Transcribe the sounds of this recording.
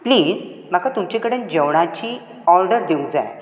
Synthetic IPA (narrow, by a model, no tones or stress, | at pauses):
pliːd͡z | m̤akat̪umt͡ɕekəɽənd͡ʑəʋɽ̃at͡ɕiː | ɔɾɖəɾd̪eũd͡za̰j